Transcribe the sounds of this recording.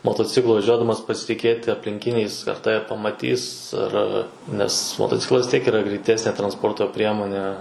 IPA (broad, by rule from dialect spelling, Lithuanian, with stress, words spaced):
moːtoːˈt͡sʲɪklˠʊ ʋɐˈʒʲuɔdɐmɐs pɐsʲɪtʲˈɪkʲeːtʲɪ ɐpʲlʲɪŋʲˈkʲɪnʲɛɪs ɐr ˈtɑːʋʲɛ pɐmɐˈtʲiːs ɐr ˈɐr nʲɛs moːtoːˈt͡sʲɪklˠɐs ʋʲɪs ˈtʲiɛk iːˈrɐ ɡrʲɛɪˈtʲæːsʲnʲeː trɐnsˈpoːrtoː ˈpʲrʲiɛmoːnʲɛ